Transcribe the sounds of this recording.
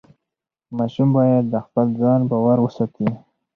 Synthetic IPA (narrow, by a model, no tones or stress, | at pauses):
mɑʃumbɑjad̪̚ːəxpəlzɑnbɑwaɾwəsɑt̪ʰi